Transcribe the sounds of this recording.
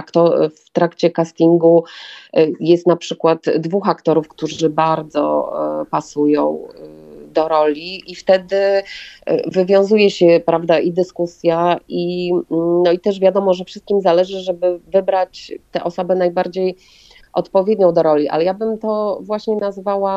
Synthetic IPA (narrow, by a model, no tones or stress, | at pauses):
kt̪ɔft̪ɾakt͡ɕɛkast̪iŋɡu | jɛst̪napʂɘkwat̪d̪vuxakt̪ɔɾufkt̪uʐɘbaɾd̪zɔ̰pasujɔ̃w̃ | d̪ɔɾɔlʲiːft̪ɛd̪ɘ̰ | vɘvʲjɔ̃w̃zujɛɕɛpɾavd̪aʔid̪ɘskusʲjai | nɔit̪ɛʐvʲjad̪ɔmɔʐɛfʂɘst̪kʲimzalɛʐɘʐɛbɘvɘbɾat͡ɕt̪ɛʔɔsɔbɛnajbaɾd͡ʑej | ʔɔt̪pɔvʲjed̪ɲɔ̃w̃d̪ɔɾɔlʲiʔa̰lɛjabɘmt̪ɔvwaɕɲɛnazvawa